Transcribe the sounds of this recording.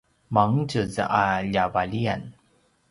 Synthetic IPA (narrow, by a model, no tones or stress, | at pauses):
maŋt͡ɕəzə̰ʔaʎavalian